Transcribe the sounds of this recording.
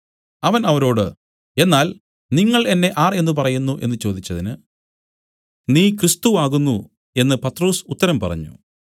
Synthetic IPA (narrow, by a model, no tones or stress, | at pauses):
ɐʋɐnɐʋɐɾo̞ːɽɨ | e̞nːaːl | niŋːɐɭe̞nːe̞ʔaːre̞nːɨp̬ɐrɐjunːuʔe̞nːɨt͡ɕo̞ːd̪it͡ɕːɐðinɨ | niːkrist̪uaːɣunːu | e̞nːɨpɐt̪ːro̞ːsut̪ːɐɾɐmpɐ̰rɐ̰ɲːṵ